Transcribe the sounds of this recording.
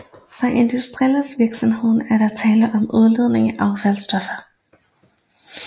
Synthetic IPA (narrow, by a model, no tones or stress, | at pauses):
fɑ̈ʔe̝nd̥usd̥ʁiɛlsʋiɐɡ̥sɒ̽mɦe̝ð̞̰ˠn̩æɐɾɑ̈t͡sʰɛːləʔɒ̽muð̞ˠɐle̝ðˠne̝ŋæʔɑ̈ʊfælsd̥ɒ̽fɐ